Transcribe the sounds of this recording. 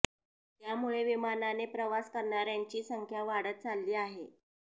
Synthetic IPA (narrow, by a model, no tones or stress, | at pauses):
t̪jamuɭeʋimananepɾəʋaskəɾɳaɾjaɲt͡ɕiːsəŋkʰjaʋaɽət̪̚t͡salːiːaɦe